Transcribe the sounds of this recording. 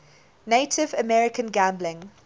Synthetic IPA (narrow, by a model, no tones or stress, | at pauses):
neɪtʰɪvəmɛɹɪkə̃nɡãmblɪ̃ŋ